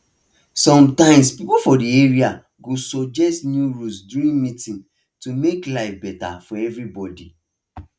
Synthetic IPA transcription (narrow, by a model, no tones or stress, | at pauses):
sɔ̃mtãɪ̃mspipofɔdieɹia | ɡosɔd͡ʒɛstnjuɹusduɾĩnmĩtĩn | tumeklaɪfbɛta̰fɔɛvɹibɔdi